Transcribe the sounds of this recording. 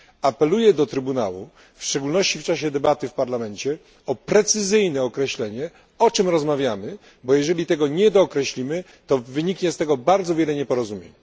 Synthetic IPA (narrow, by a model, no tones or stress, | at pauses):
apɛlujɛd̪ɔt̪ɾɘbuna̰wṵ | fʂt͡ʂɛɡulnɔɕt͡ɕift͡ʂaɕɛd̪ɛbat̪ɘfpaɾlamɛɲt͡ɕɛ | ɔpɾɛt̪sɘzɘjnɛɔkɾɛɕlɛɲɛ | ɔt͡ʂɘmɾɔzmavʲjamɘ | bɔjɛʐɛlʲit̪ɛɡɔɲɛd̪ɔːkɾɛɕlʲimɘ | t̪ɔvɘɲikɲɛst̪ɛɡɔbaɾd̪zɔvʲjɛlɛɲɛpɔɾɔzumʲjḛɲ